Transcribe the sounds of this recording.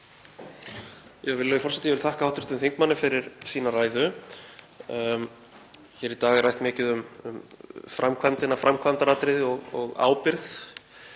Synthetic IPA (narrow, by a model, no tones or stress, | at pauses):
jɛvɪlɛjfɔɾ̥sɛt̪ɪjɛvɪlθahkaaːwht̪ɾɪ̥ht̪ʏmθiŋkmanːɪfɪɾɪɾ̥siːnaraːjðʏ | çɛɾit̪aːɣɪrajht̪mɪːcɪðʏmʏ̰mfɾʔamkʰvant̪ɪnafɾʔamkʰvant̪aɾaːt̪ɾɪðɪɔɣɔ̰ɣa̰ːwpɪɾθ